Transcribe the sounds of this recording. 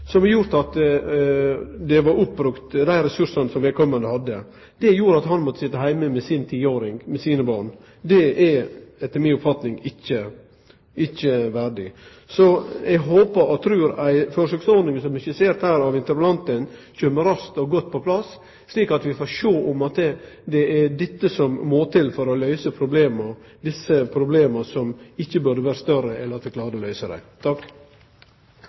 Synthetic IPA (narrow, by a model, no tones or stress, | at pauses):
sɔmɛjʊɾt̪ɑt̪ | d̪ɛʋɑɾʊpːɾʉkt̪d̪æɪɾɛsʉʂənsɔmʋɛlkɔmːənd̪əhɑd̪ːə | d̪̥ɛjuːɾɑt̪ɦɑnmɔt̪ːə̥sɪt̪ːəɦæɪməmɛsɪnt̪ʰiːəoːɾɪŋmɛsiːnəbɑːɳ | d̪ɛʔɛɛt̪ːəɾmɪnʊpfɑt̪nɪŋɪçːə | ɪçːəʋæɖɪ | sɔɛɡɦoːpəɾɔt̪ʰɾʉːɾæɪføːɾəʂøːksɔɾd̪ɪŋəsɔmɪçəseːɾt̪hæːɾɑʋɪnt̪əɾpəlɑnt̪ənc͡çøːmːəɾɑst̪ɔɡɔt̪ːpʰɔpʰlɑsː | liːkɑt̪ʋɪfoːʂoːʔɔmɑt̪ɛd̪ɛæɖ̪ɛt̪ːəsɔmːoːt̪ʰɪlfɔɾɔlœʏsəpʰɾʊbleːmə | d̪ɪsəpʰɾʊbleːməsɔmɪçːəbʉd̪əʋæːɾəst̪œɾəɛləɾɑt̪ʋɪkʰlɑːɾəəlœʏsəd̪æ̰ɪt̪ʰɑk